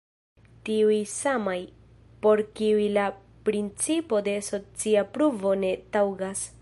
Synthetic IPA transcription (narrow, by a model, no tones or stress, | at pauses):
tiujsamaj | po̞ɾkiujla | pɾint͡sipo̞de̞so̞t͡siapɾuvo̞ne̞tawɡas